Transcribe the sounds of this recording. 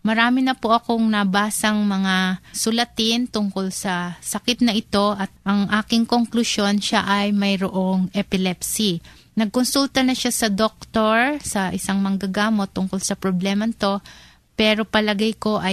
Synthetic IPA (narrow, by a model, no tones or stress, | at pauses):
mɐɾaːmɪnɐpoʔɐkoŋnɐbaːsɐŋmɐŋasʊlɐt̪ɪnt̪ʊŋko̞lsɐsɐkɪt̪̚nɐʔɪt̪o̞ʔɐt̪̚ʔɐŋʔaːkɪŋkoŋklʊʃjo̞nʃaʔɐjmɐjɾoʔo̞ŋʔɛpɪlɛpsi | nɐɡ̚konsult̪ɐnɐʃasɐd̪ok̚t̪oɹsɐʔɪsaŋmɐŋɡɐɡaːmo̞t̪ːʊŋko̞lsɐpɾoblɛːmɐnɪt̪o̞ | pɛːɾo̞pɐlɐɡajko̞ʔɐj